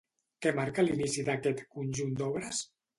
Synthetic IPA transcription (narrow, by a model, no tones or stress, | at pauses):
kɛmaɾkəlinisiðakɛt̪kunʲʒund̪ɔβɾəs